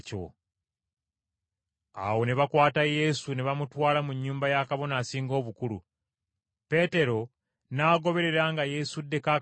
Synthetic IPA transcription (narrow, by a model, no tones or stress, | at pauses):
co̰ | a̰wo̞neβakwaːtaje̞suneβamutwaːlamuɲːuːmbajakaβo̞naːsiːŋɡo̞ːβukulṵ | pe̞ːte̞ɾo̞ | naːɡo̞βe̞ɾe̞ɾaŋɡaje̞sudːe̞ka